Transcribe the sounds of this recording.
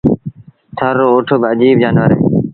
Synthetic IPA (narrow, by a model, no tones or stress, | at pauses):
t̪ʰəɾːoːoːʈʰoɡəd͡ʒiːb̚d͡ʒaːnʋəɾḛː